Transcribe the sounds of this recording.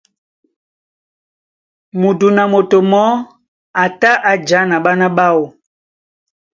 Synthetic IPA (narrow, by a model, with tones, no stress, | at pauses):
mu˨du˨na˨mo˨to˨mɔ˦ | a˨ta˦ʔa˨d͡ʒa˨˦na˨ɓa˦na˦ɓa˦wo˨